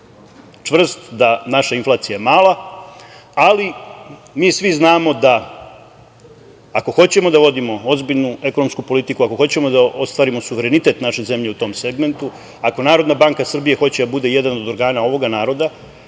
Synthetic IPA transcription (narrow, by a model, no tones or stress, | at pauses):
t͡ʃʋr̩st̪d̪anaʃainflaːt̪sijajemaːla | alimiːsʋiznaːmo̞d̪a | ko̞xo̞t͡ɕe̞mo̞d̪aʋo̞d̪imo̞o̞zbiʎnue̞ko̞no̞mskupo̞lit̪ikuako̞xo̞t͡ɕe̞mo̞d̪ao̞st̪ʋaːɾimo̞suʋe̞ɾe̞nit̪e̞t̪naʃe̞ze̞mʎe̞ut̪o̞mse̞ɡme̞nt̪u | ako̞naːɾo̞d̪nabaŋkasr̩bije̞xo̞t͡ɕe̞d̪abud̪e̞je̞d̪ano̞d̪o̞ɾɡaːnao̞ʋo̞ɡanaːɾo̞d̪a